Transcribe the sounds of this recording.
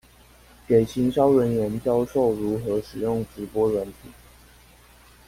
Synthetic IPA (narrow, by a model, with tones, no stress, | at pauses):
ke˨˩ɪt͡ɕʰi˧˥ŋɕɑ˥˦ʊɻə˧˥nɥɛ˧˥nt͡ɕjɑ˥ʊʂo˥˩ʊɻu˨˥xɤ˨˧˥ʂɻ̩˨˩jʊ˥˩ŋʈ͡ʂɻ̩˧˥pwɔ˥ɻə˧˦nt̪ʰi˨˩˦